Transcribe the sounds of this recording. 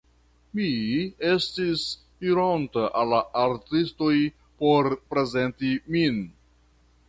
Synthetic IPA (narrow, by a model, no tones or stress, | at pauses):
mie̞stis | iɾontaʔalːaʔaɾtisto̞j | po̞ɾpɾe̞ze̞ntimin